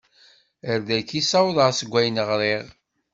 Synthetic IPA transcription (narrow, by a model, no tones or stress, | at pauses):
əɾðækisɑwðˤɑʁsəɡʷːæjnəʁɾiʁ